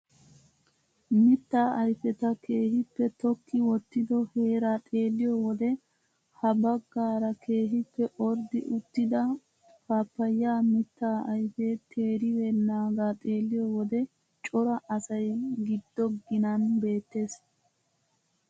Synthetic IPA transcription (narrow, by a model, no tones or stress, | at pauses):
mɪt̪ːaːʔɐjfɛt̪ɐke̞ːhɪpːɛt̪ɔkːɪwɔt̪ːɪd̪ɔhe̞ːɾaːt̪ʼe̞ːlːɪjɔwɔd̪ɛ | hɐbɐɡːaːɾɐkʰe̞ːɦɪpːɛʔɔɾd̪ɪʔʊt̪ːɪd̪ɐ | kaːpːɐjːaːmɪt̪ːaːɐjfet̪ʰe̞ːɾɪwɛnaːɡaːt̪ʼe̞ːlːɪjɔwɔd̪ɛ | t͡ʃʼɔɾɐʔɐsɐjɡɪd̪ːɔɡɪnɐnbe̞ːt̪ːe̞ːs